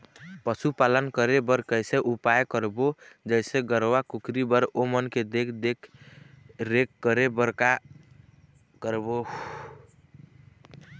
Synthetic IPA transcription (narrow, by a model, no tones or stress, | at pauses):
pəsupalənkəɾebəɾkəjseʔupajkəɾbod͡ʒəɪseɡəɾwakukɾibəɾomənked̪ekʰd̪ekʰ | ɾekːəɾebəɾka | kəɾbo